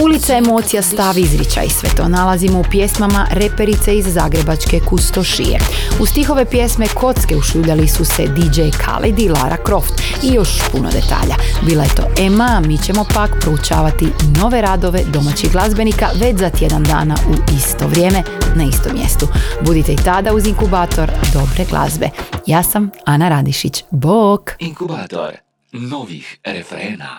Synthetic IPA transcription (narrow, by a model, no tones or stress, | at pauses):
ulit̪saemo̞ːt̪sijast̪aʋizɾit͡ʃa̰jisʋe̞̰t̪o̞̰ːnalazimoupje̞smamaɾe̞pe̞ɾit̪seizːaːɡɾe̞bat͡ʃke̞kust̪oʃḭjḛust̪ixo̞ʋe̞pje̞smekʰo̞t̪ske̞uʃuːʎalisuse̞d̪id͡ʒejkʰa̰lḛd̪ilaɾʔa̰kɾo̞ft̪ | ijo̞ʃpuno̰d̪e̞t̪a̰ːʎabiːlaje̞t̪o̞̰ːʔemamiːt͡ɕe̞mo̞pakpɾout͡ʃaːʋat̪ino̞ʋe̞ɾad̪o̞ʋe̞d̪o̞mat͡ɕiɣɡlˠazbe̞nikaʋe̞t͡ɕzat̪je̞d̪and̪a̰ːna̰ʔuist̪o̞ʋɾʲje̞ːme̞naist̪o̞̰mːje̞̰st̪ubud̪it̪eit̪ad̪auziŋkubaːt̪o̞ɾd̪o̞bɾeɡlʔa̰zbe̞̰jaːsamanaɾad̪iʃit͡ɕbok